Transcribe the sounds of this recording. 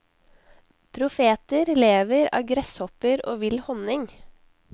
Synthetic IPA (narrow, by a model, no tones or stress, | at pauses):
pʰɾʊfeːt̪əɾleːʋəɾɑ̰ːɡɾɛshɔpəɾo̰ːʋɪlhɔnɪŋ